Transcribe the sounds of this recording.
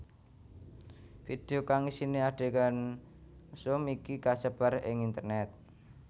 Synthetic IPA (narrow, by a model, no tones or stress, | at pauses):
fid̪̥e̤okaŋisineaɖ̥e̤kan | sʊmikikasəb̥aɾɪ̰ŋint̪ərnɛt̪̚